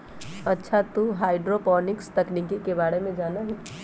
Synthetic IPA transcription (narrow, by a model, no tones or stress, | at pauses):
ɐtːʃʰat̪uɦaːɪɖɾopɔːnɪkst̪ɐknikikebaːɽemẽd͡ʒaːnaɦi